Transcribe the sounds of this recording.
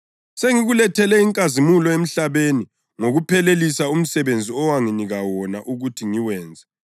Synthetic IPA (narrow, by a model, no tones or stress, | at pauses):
seŋiɣulɛtʰɛlɛiŋkʼazimulɔem̩ɬaβeni | ŋoɣupʰɛlelisaum̩sɛβend͡zʱiɔwaŋiniɣawɔnaʔuɣutʰiŋiwɛːnd͡zʱɛ